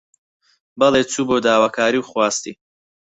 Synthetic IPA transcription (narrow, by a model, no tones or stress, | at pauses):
bɐlet͡sʰuːbod̪aːwaːkʰaːɾiwχwaːst̪i